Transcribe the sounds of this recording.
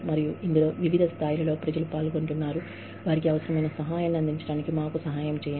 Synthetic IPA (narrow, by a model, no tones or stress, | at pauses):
mɐɾijuind̪ulo̞ːʋiʋid̪ʱɐst̪ʰaːjilɐlo̞ːpɾɐd͡ʒɐlupaːlko̞ɳʈunːaːɾu | ʋaːɾikiɐʋɐsɐɾɐmɐjnɐsɐɦaːjaːnːiɐnd̪iɲt͡ʃɐɽaːnikimaːkusɐɦaːjɐmt͡ʃɛːjɐ